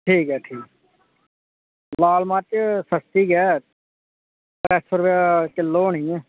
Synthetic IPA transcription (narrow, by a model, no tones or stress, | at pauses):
ʈʰiːkɦɛːʈʰiːk | laːlmãːt͡ʃsəst̪iːkɛː | kɾɛːsəɾʋaːkɪlːoːnĩːɛ̃ː